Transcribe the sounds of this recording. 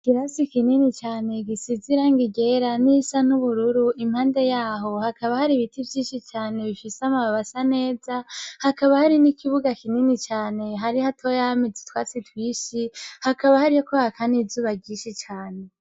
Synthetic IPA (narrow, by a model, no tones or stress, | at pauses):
ɡ̥iɾasikininit͡ʃaːne̞ɡisiziɾaŋɡiɡe̞ɾanisanuβuɾuɾuʔimhaːnde̞jaːɦo̞hakaβahaɾiβitivjiːʃit͡ʃaːne̞βifiseamaβaβasane̞ːzahakaβahaɾinikʰiβuɡakininit͡ʃaːne̞ɦaɾihatʰojamid͡zi̥twaːt͡sitwiːʃihakaβahaɾijokohakʰanizuːβaɡiːnʃit͡ʃaːne̞